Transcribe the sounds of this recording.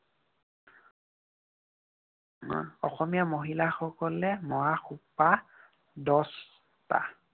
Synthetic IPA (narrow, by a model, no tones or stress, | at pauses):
ɔxɔmijamoɦilaxɔkɔlɛmɔwaxupːa | dɔs | ta̰